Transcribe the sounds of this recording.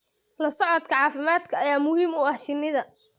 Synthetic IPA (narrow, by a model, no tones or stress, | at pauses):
lɐsɔʕɔd̪kʰɐʕɑːfɪmaːd̪kʰɐːjaːmʊhiːmʊɐhʃɪnːɪðɐ